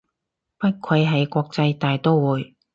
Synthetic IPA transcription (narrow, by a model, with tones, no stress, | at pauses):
pɐ˥t̚kʰɐ˨˧jɦɐ˨˩jkʷɔː˧k̚t͡sɐ˧jt̪aː˨˩jt̪o˥wwuː˨˧j